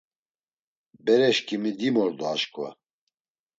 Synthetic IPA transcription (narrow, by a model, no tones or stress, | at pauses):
bɛɾɛʃkʰimid̪imɔɾd̪ɔaʃkwa̰